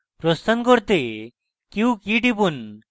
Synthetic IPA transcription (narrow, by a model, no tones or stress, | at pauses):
pɾɔst̪ankɔɾt̪e | kiukiʈipun